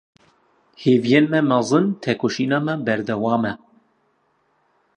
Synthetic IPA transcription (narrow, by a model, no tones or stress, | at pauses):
heːvijenmɛmɛzˤɨnt̪ʰɛkʰoʃiːnɑːmɛbɛɾd̪ɛwɑːmɛ